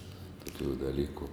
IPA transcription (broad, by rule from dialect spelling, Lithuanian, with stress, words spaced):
toːˈkʲuː dɐˈlʲiːkʊ